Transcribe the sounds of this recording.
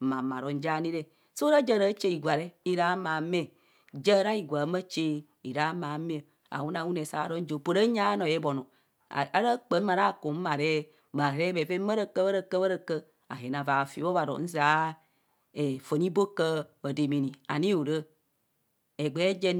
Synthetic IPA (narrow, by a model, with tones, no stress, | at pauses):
mã˨mã˨ɾɔ˨n̩˦d͡ʒa˦˨nĩ˦ɾe˦ | so˦ɾa˦d͡ʒə˦˨ɾə˦t͡ʃe˦i˨ɡʷa˨ɾe˦i˦ɾa˨˦ma˨me˦˨ | d͡ʒə˦ɾa˦ji˨ɡʷa˨˦mə˦t͡ʃe˦ | i˨ɾa˨˦ma˨˦me˦ə˨ | a̰˨wu˦na˨˦wu˦ne˨sa˨˦ɾɔ˦n̩˦d͡ʒo˨po˨ɾə˦ɲa˦nɔ̃˨je˨˦bɔ˨nɔ̰̃˨ | a˦ɾə˦k͡pə˨˦ma˨ɾa˦˨ko˨m̩˦ma˨ɾe˦ | ma˨ɾe˦be˨ve˦mə˦ɾə˦kə˦bə˦ɾə˦kə˦bə˦ɾə˦kə˦ | a̰˨ɦe˨nã˨va˨fi˨˦o˦va˨ɾɔ̰˨n̩˦za˨˦ | e˨fə˨ni˦bo˦kə˦bə˨de˨mi˨nĩ˨a̰˨nĩ˦o˨ɾə˦ | e˨ɡ͡be˨˦d͡ʒe˦